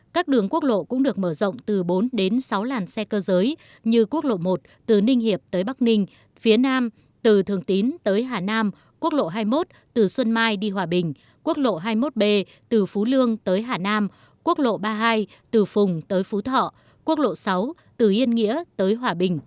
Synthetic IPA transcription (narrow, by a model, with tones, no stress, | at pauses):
kaː˦˥k̚ɗɨ˨˩əŋku˦˥ək̚lo̰˧˨kʊ̰˧˥ŋ͡mɗɨ˨˩ək̚məː˧˩zə̰˧˨wŋ͡mt̪ɨ˨˩ɓo˨˦nɗe˨˦nsa˨˦wlaː˨˩nsɛ˧kəː˧zəː˨˦j | ɲɨ˧ku˦˥ək̚lo̰˧˨mo˨˩t̚ | t̪ɨ˨˩nï˧ŋ̟hi˨˩əp̚t̪əː˨˦jɓa˦˥k̚nï˧ŋ̟ | fi˨˦ənaː˧m | t̪ɨ˨˩t̪ʰɨ˨˩əŋt̪i˨˦nt̪əː˨˦jɦaː˨˩naː˧m | ku˦˥ək̚lo̰˧˨ɦaː˧jmo˦˥t̚ | t̪ɨ˨˩swə˧nmaː˧jɗi˧ɦwaː˨˩ɓï˨˩ŋ̟ | ku˦˥ək̚lo̰˧˨ɦaː˧jmo˦˥t̚ɓe˧˩ | t̪ɨ˨˩fu˨˦lɨ˧əŋt̪əː˨˦jɦaː˨˩naː˧m | ku˦˥ək̚lo̰˧˨ɓaː˧ɦaː˧j | t̪ɨ˨˩fʊ˨˩ŋ͡mt̪əː˨˦jfu˨˦t̪ʰɔ̰˧˨ | ku˦˥ək̚lo̰˧˨sa˨˦w | t̪ɨ˨˩ʔi˧ənŋḭ˧˥ət̪əː˨˦jɦwaː˨˩ɓï˨˩ŋ̟